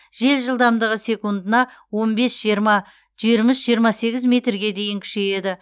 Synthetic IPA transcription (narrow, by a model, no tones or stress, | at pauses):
ʒe̞lʒəlˠd̪ɑmd̪əʁəse̞kund̪ənɑ | wo̞nbe̞sʒijɾmɑ | ʒ̥iɾmɪsʒijəɾmɑse̞ɡʲɪzmʲe̞t̪rɡʲe̞d̪e̞jɪŋkʲʰʏ̥ʃe̞je̞d̪ɪ